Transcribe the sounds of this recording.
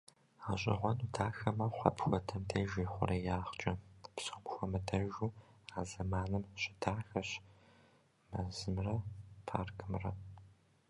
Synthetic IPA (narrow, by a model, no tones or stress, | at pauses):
aɕʼɪ̰ʁʷɔnudʰaːxɐmɐwχʷɐ̰pxʷɔtʰɐmtʰɐʒiːχʷʊ̰rɐjaːχt͡ʃʼɐpsomxʷɔmɐdʰɐʒuːaːzɐmaːnɨmɕʼɪdʰaːxɐɕ | mɐzɨmrɐpʰa̰ːrkʰɨmrɐ